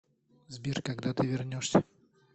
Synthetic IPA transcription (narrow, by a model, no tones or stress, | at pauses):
zbʲirkɐɡd̪at̪ɨvʲɪrnʲoʂsʲə